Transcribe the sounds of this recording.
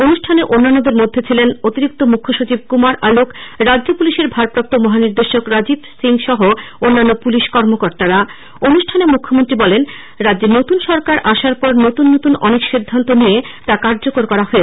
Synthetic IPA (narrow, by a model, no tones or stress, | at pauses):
onuʃʈʰaneʔonːanːod̪eɾmod̪ʱːet͡ɕʰilenot̪iɾik̚t̪omukʰːoʃot͡ɕib̚kumaɾʔalokɾadʑopuliʃeɾbʱaɾpɾap̚t̪omɔɦaniɾd̪eʃokɾad͡ʑibsiŋʃɔɦoonːanːopuliʃkɔɾmokoɾt̪aɾa | onuʃʈʰanemukʰːomont̪ɾibɔlen | ɾadd͡ʑenot̪unʃɔɾkaɾʔaʃaɾpɔɾnot̪unːot̪unɔ̰nekʃid̪ʱːant̪onijet̪akaɾd͡ʑokoɾkɔɾaɦoe